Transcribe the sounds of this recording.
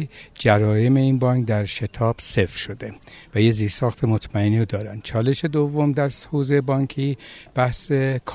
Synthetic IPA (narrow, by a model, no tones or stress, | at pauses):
d͡ʒæɾɒːje̞me̞iːnbɒŋkd̪æɾʃe̞t̪ʰɒːb̥se̞fɾʃod̪evæjeziːɾsɒːxt̪ʰemot̪ʰmæeniod̪ɒːɾænd̪̥t͡ʃʰɒːle̞ʃe̞d̪ovːo̞md̪æɾshoːzejebɒːŋkʰiːb̥æhsekʰ